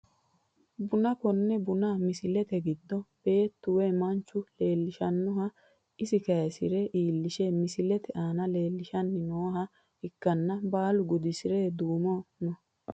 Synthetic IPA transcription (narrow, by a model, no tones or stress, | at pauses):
bʊnɐkɔnːɛbʊnamɪsɪlɛt̪ɛɡɪd̪ːɔb̥e̞ːt̪ːʊweːmɐnt͡ʃːʊle̞ːlːɪʃɐnːɔɦɐ | ɪsɪkɐjɐsɪɾɛʔiːlːɪʃeːmɪsɪlɛt̪ɛʔaːnɐle̞ːlːɪʃɐnːɪnoːɦɐ | hɪkːɐnːɐbaːlʊɡʊd̪ɪsɪɾeːd̪uːmɔnɔ